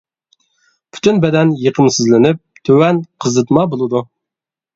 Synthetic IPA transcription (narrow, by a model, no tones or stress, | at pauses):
pʰy̥t̪ʰynbɛd̪ɛnjəqʰəmsɨzlɪnɪp̚t̪ʰøwɛnqʰəzɨt̪mɑbolˠɨd̪u